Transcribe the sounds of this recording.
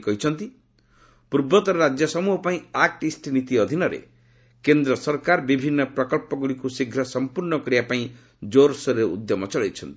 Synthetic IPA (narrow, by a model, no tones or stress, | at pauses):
kɔɦit͡ʃʰɔnt̪i | puɾbɔt̪ɔɾɔɾad͡ʒjɔsɔmuɦɔpaĩak̚ʈisʈinit̪iɔd̪ʱinɔɾḛ | kend̪ɾɔsɔɾkaɾbibʱinːɔpɾɔkɔlpɔɡuɽikusiɡʱɾɔsɔmpuɾɳɔkɔɾibapaĩ | d͡ʒoɾsɔɾeṵd̪jɔmɔt͡ʃɔɭajt͡ʃʰɔnt̪i̥